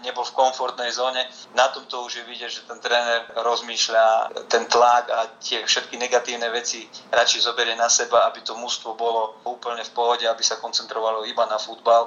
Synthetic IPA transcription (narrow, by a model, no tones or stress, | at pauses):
ɲɛbɔlfkɔɱfɔɾt̪nɛjzɔːɲɛ | nat̪ɔmt̪ɔuʒjɛʋiɟɛɟʒɛt̪ɛnt̪ɾɛːnɛɾɾɔzmiːʃlat̪ɛnt̪laɡat̪ɪɛfʃɛt̪kiɲɛɡat̪iːʊnɛʋɛt͡siɾat͡ʃizɔbɛɾɪɛnasɛbaabit̪ɔmust̪ʋɔbɔlɔuːpl̩ɲɛfpɔɦɔɟɛabisakɔnt͡sɛnt̪ɾɔʋalɔibanafud̪bal